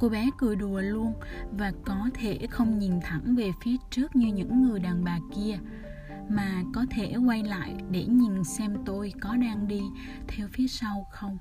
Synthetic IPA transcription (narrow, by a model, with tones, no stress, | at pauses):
ko˧ɓɛ˨˦kɨ˨˩ɗu˨˩əlu˧ənvaː˨˩kɔ˨˦t̪ʰe˧˩xə˧wŋ͡mɲi˨˩nt̪ʰə˧˩ŋve˨˩fi˨˦ət͡ɕɨ˦˥ək̚ɲɨ˧ɲɨ̰˧˥ŋːɨ˨˩əjɗaː˨˩nɓaː˨˩ki˧ə | maː˨˩kɔ˨˦t̪ʰe˧˩kwa˧jla̰ː˧˨jɗe˧˩ɲi˨˩nsɛ˧mt̪o˧jkɔ˨˦ɗaː˧ŋɗi˧ | t̪ʰɛ˧wfi˨˦əsa˧wxə˧wŋ͡m